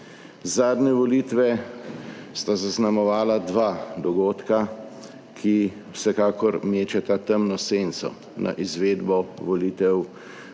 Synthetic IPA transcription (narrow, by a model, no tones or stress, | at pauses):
zaːd̪nɛʋɔliːt̪ʋɛ | st̪azaznamɔʋaːlad̪ʋaːd̪ɔɡoːt̪ka | kʰi | wsɛkaːkɔɾmeːt͡ʃat̪at̪əmnɔseːnsɔ̰ | nʔa̰ʔizʋeːd̪bɔʋɔliːt̪ɛw